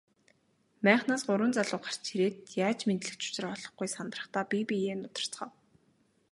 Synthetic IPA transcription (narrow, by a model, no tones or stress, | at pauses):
mæːχnaːsɢʊɾwə̆nt͡saɮʊːχḁr̥t͡ɕʰeɾeːt̪jaːt͡ɕment̪ɮɘ̆kt͡ɕʊ̥t͡ɕɪ̆rɔɮɞ̆χɡujsant̪rə̆χt̪aːpipijeːnʊt̪ə̥̆r̥t͡sχɔːw